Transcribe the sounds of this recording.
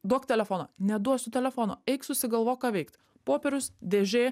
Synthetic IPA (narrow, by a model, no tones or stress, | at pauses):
d̪uɔkt̪ʲɛlʲɛfoːnɐ̰nʲɛd̪uɔsʊt̪ʲɛlʲɛfoːno̰ɛɪksʊsʲɪɡɐlˠʋoːkɑːʋʲɛɪkt̪ | poːpʲɛɾʲʊsd̪ʲeːʒʲeː